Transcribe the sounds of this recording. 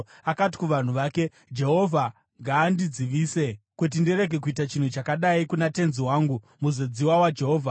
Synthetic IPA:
akat̬i̥kuʋan̤uʋaːke̞ | d͡ʒe̞ɦo̞vʱa | ŋɡaːndid͡ziʋiːse̞kut̬indiɾe̞ɡʱe̞k̬uitat͡ʃin̤ut͡ʃakaɗaikunate̞nziwaːŋɡu | muzo̞d͡ziwawad͡ʒe̞ɦo̞ːvʱa

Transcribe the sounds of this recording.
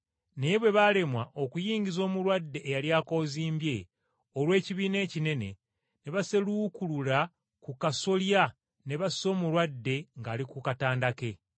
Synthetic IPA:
neβwe̞βale̞mwaʔo̞kujiːɲɟizo̞ːmuɾwadːe̞ʔːjaljaːko̞ːziːmbje̞ | olwe̞ːciβiːne̞ːcine̞nḛ | ne̞βase̞lukulula | kukaso̞lja | ne̞βasso̞ːmuɾwadːe̞ŋɡaːlikukataːndake̞

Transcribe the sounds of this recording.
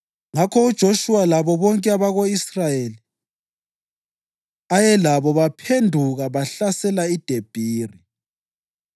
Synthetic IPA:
ŋakʰɔud̥ʒ̥ʱoʃuwalaβɔβɔŋkʼɛaβaɣoisrajeli | ajɛlaβɔβapʰendʱuɣaβaɬasɛlaid̥ʱeb̥ʱiːri

